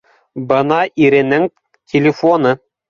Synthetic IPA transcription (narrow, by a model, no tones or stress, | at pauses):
bɤ̆nɑʔiɾɘ̆nɘŋ | t̪ʲʰɪlʲɪfonɤ